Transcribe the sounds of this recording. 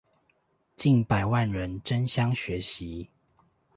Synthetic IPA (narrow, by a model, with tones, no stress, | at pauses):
t͡ɕi˥˨npa˨˩ɪwa˥˨nɻə˨˦nʈ͡ʂə˦nɕjɑ˦ŋɕɥɛ˨˦ɕi˨˦